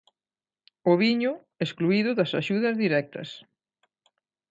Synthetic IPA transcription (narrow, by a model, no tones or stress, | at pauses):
ʊβiɲʊ | eskluiðʊðɐsaʃuðɐzðiɾɛk̚t̪ɐ̰s